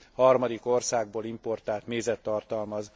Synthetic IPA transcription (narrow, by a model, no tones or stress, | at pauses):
hɒrmɒd̪iko̞rsaːɡ̚boːlimpo̞rt̪aːlt̪neːzɛt̪ːɒrt̪ɒlmɒz